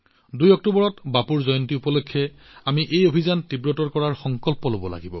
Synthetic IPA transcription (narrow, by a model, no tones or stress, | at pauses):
dujɔk̚tobɔɹɔtbapuɹzɔjɔntiupɔlokʰːjɛ | amiʔejobʱizantibɹɔtɔɹkɔɹaɹxɔŋkɔlpɔlobɔla̰ɡibɔ̰